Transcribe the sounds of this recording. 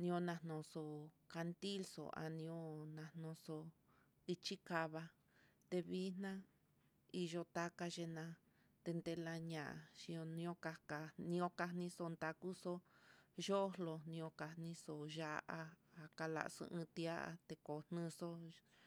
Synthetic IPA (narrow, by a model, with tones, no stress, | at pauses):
nĩ˧õ˧nã˧nõ˨so˧ka˧nt̪i˦lso̰˨a̰˧nĩ˧õ˧˦nã˧n̥õ˧so˧ | i˧t͡ʃi˦ka˧βa˧ | t̪e˧βi˦nnã˦ | i˧ʒo˧t̪a˦ka˧ʒe˧nã˧ | t̪e˧nd̪e˧la˧ɲã˨ʃĩ˧õ˧nĩ˧õ˦ka˧ka˧nĩ˧õ˧ka˧nĩ˧so˧nd̪a˧ku˦so˦ʒo˦lo˧nĩ˧õ˧ka˧nĩ˧˦so˧ʒa˧ʔa˧a˧ka˧la̰˧˨˧so̰˧ʔɨ̃˧t̪i˧a˦ʔa̰˧t̪e˧ko˨n̥nɨ̃˧so˦